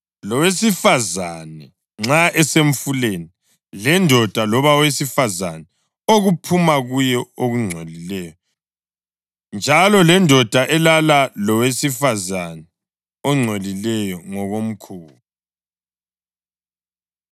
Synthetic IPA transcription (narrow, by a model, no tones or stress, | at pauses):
lɔwesifazanɛ | ŋ͡ǁaʔɛseɱfuleni | lɛndʱɔd̥ʱalɔβawesifazanɛ | oɣupʰumaɣujɛoɣuŋ͡ǀʱolilɛjɔ | nd͡ʒʱalɔlɛndʱɔd̥ʱaʔɛlalalɔwesifazanɛ | ɔŋ͡ǀʱolilɛjɔŋɔɣom̩kʰuːβu